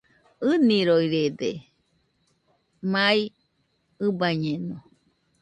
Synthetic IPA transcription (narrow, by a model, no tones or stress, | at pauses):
ɨniɾojɾed̪e | mai | ɨbaɲeno